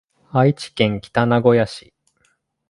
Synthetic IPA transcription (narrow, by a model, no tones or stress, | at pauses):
ait͡ɕi̥kẽ̞ŋkʲi̥t̪anaɡo̞jaɕi